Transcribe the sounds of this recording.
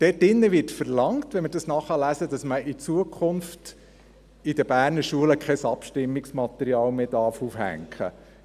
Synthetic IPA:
d̥ɛːt̚dɪnːəʋɪtfəɾlɑŋtʋɛməɾdɑsnɑχɑlæsədɑsməʔit͡suəkʰχʊnft | id̥əb̥æːɾnəɾʃuələkʰɛsɑpʃtɪmːiksmɑt̪ɛɾiɑːlmeːdɑɾfufhæ̰ŋkχə̰

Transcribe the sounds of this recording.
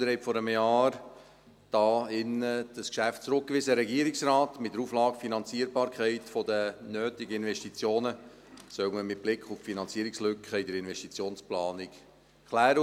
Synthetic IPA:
əɾhɛtfɔɾəmjɑːɾ | d̥ɑːɪnːəd̥əskʃæftt͡sɾʊk̚kʋɪzəɾɛɡiəɾɪksɾɑːtmɪtd̥̪əɾuːflɑːɡ̥finɑnt͡siəɾbɑːɾkχɛɪtfɔdənøːtɪɡəɪnʋɛʃtit͡sjoːnə | sœwməmɪt̚b̥lɪkχuffinɑnt͡siəɾɪkslʏkχəɪdəɾɪnvɛʃtit͡sjoːnsplɑːnɪk | kʰχlæːɾə

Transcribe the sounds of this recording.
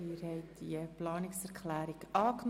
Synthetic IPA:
iːɾhɛɪtd̪̥iəplɑːnɪksɛɾkχlæːɾikɑːkn

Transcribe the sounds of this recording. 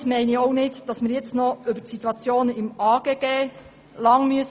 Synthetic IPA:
tmæɪnioʊnɪtd̥ɑsmɪɾjɛt͡stnɔʏbəsit̪uɑt͡sjoːnɪmɑːɡ̥eːɡ̥eː | lɑŋmyəs

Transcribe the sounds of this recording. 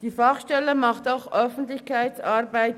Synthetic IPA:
d̥iːfɑχʃtɛləmɑχtaʊxʔœfn̩tlɪçkaɪt͡sɑːɾbaɪt

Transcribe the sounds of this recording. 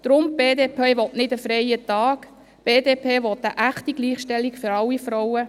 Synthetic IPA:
d̪̥ɾʊmbeːdeːpʰeːʋɔtnɪdəfɾɛjətɑːk | b̥eːdeːpʰeːʋɔt̪əʔæχtiɡ̥liːχʃtɛlikfʏɾɑlːifɾɔwə

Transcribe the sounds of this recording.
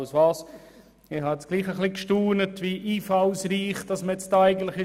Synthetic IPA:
ʊsvɑːs | ihɑɛt͡sɡ̥liːχəχlikʃtuːnətʋiʔiːfaʊsɾiːχt̚d̥ɑsməɛt͡stdæɪɡəntlɪχɪ

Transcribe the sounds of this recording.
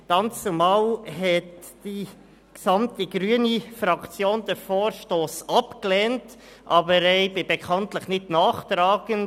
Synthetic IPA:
ɡ̥ɑnt͡sumɑːlɦɛt | d̥i | ksɑmtəɡ̥ɾyənifɾɑkt͡sjoːndəfoːɾʃtoːsɑpklɛːnt | ʔɑːbəɾɛɪbɪbekʰɑntləχnɪtnɑːχtɾɑːɡ̥ən

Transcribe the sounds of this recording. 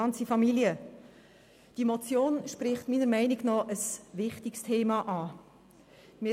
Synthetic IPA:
ɑnt͡sifɑmiljə | d̥iemot͡sjoːnʃprɪχtmiːnəɾmɛɪniɡnɔʔəsʋɪχtɪkstʰeːmɑʔɑː | mɪ

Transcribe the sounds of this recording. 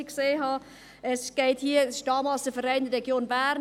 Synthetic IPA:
kseːɦɑ | ɛsɡ̥eɪthiːəsʃtɑːmɑsəfəɾɛɪndəɾɛɡjoːnbæːɾn

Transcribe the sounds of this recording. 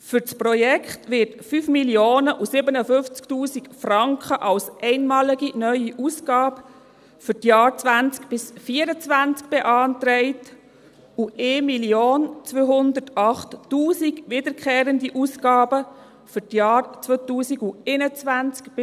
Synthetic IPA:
fʏɾt͡sprɔjɛkχtʋɪɾtfyːfmiljoːnəʔusɪbənəfʏft͡sktuːsikfrɑŋkχəʔɑlsʔɛɪnmɑːliɡinœʏiʔuːsɡɑːb | fʏtjɑːɾt͡sʋænt͡skb̥ɪsfiːəɾət͡sʋænt͡sk̚b̥eʔɑːnt̪ɾɛɪt | uʔeːmiljoːnt͡sʋøːɦʊnd̪ətɑχtːuːsiɡʋɪd̪əɾkχeːɾəndiʔuːsɡɑːbə | fʏɾtjɑːɾt͡sʋøtuːsiɡuɛɪnət͡sʋænt͡skb̥ɪ

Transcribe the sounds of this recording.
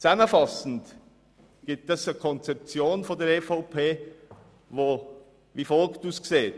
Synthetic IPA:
t͡saməfɑsn̩t | ɡ̥ip̚tɛsəkʰɔnt͡sɛp̚t͡sjoːnfɔndɛɐɾɛfaʊpʰeː | voː | viːfɔlkd̥uskseːt

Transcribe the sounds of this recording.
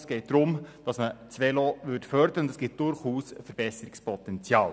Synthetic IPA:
sɡ̥ɛɪt̚d̥̪ɾʊmd̥ɑsmət͡sʋelɔːʋʏtfœɾdəɾəʊndɛsɡ̥ɪt̚d̥ʊɾχuːsfəɾb̥ɛsəɾɪkspʰɔt̪ɛnt͡sjɑːl

